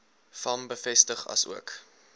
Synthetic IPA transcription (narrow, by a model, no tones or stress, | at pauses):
fɐmbəfɛstəχɐ̰sṵək